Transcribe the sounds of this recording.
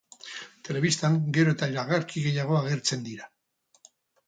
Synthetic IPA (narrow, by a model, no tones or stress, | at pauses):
t̪e̞le̞β̞ist̪aŋɡe̞ɾo̞e̞t̪aiɾaɣ̞aɾkiɣe̞jaɣ̞o̞aɣ̞e̞ɾt͡se̞nd̪iɾa